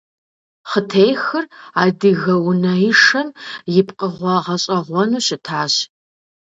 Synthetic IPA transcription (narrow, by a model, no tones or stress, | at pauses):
χətʰejxɨraːdɨɣɐwnɐɪʂɐmjɪpqʼəʁʷɔʁɐɕʼɐʁʷɔnuːɕʼɪtʰaːɕ